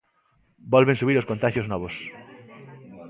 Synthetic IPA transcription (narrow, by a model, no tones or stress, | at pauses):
bɔlβẽnsuβiɾoskont̪aʃjoznɔβos